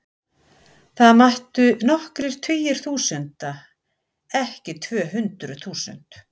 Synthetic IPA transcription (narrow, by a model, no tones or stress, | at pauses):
θaðmaht̪ʏnɔhkɾɪɾ̥t̪ʰvʏːjɪɾ̥θuːsʏnt̪a | ɛhcɪt̪ʰvœːɦʏnt̪ɾʏθuːsʏ̰n̥t̪